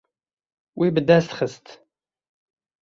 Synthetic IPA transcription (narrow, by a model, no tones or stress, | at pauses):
wibəd̪æsχəst̪